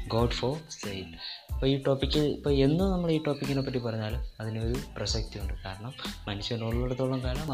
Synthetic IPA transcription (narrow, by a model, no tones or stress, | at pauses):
ɡoːɖfosɐjʈːipːoːiːʈo̞ːpikʲːɨipːoːe̞nːunɐmːɐɭiːʈo̞ːpikʲːinopːɐʈːip̬ɐrɐɲːaːlumɐðineo̞ɾuprɐsɐk̚t̪ijuɳɖɨkaːɾɐɳɐmːɐnuɕɐnoɭːoɽɐt̪ːoɭːɐmkaːlɐm